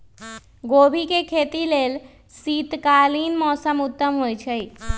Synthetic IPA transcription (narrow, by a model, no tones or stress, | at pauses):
ɡobʱikekʰet̪ilel | sit̪kalinmɔsəmut̪ːəmɦojt͡ʃʰəj